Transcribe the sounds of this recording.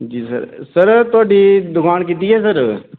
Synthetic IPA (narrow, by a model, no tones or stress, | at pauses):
d͡ʒiːsə̰ɾsəɾt̪aːɖid̪ʊkʰaːnkit̪̬iɦɛsəɾ